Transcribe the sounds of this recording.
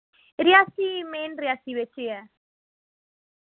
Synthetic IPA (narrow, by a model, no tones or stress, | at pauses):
ɾiasimenriasiβet͡ʃea